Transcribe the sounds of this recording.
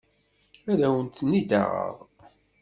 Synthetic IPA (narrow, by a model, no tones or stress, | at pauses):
æðæwənt̪nːid̪æ̰ʁə̰ðˤ